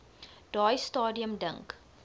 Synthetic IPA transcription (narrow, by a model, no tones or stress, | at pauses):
d̥ɑːjstɑːdiəmdəŋk